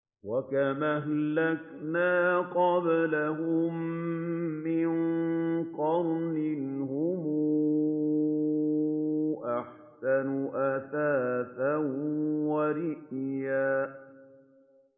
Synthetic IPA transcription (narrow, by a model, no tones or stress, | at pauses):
wakamahlːak | naːqɑblaɦʊmː | ɪnqɑɾˤnɪnhʊmuː | ʔaħ | sanʊʔaθaːtanwaɾɪʔjaː